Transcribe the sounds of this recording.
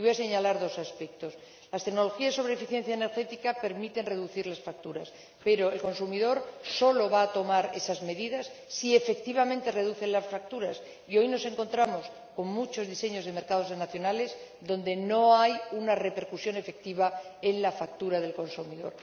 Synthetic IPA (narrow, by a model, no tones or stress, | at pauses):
iβojase̞ɲalaɾðo̞saspek̚t̪o̞s | last̪e̞kno̞lo̞xiasːo̞βɾefiθje̞nθjaeneɾxe̞t̪ikape̞ɾmit̪e̞nre̞ðuθiɾlasfak̚t̪uɾas | pe̞ɾo̞elko̞nsumiðo̞ɾso̞lo̞βaːt̪o̞maɾe̞̰sazme̞ðiðasːie̞fe̞k̚t̪iβamẽnt̪e̞re̞ðuθe̞nlasfak̚t̪uɾas | io̞jno̞se̞ŋko̞nt̪ɾamo̞s | ko̞ŋmut͡ʃo̞zðise̞ɲo̞zðe̞me̞ɾkað̞o̞zenaθjo̞nale̞s | ðo̞nd̪e̞no̞ajunare̞pe̞ɾkusjo̞ne̞fe̞k̚t̪iβ̞ae̞nlafak̚t̪uɾaðe̞lko̞nsumiðo̞̰ɾ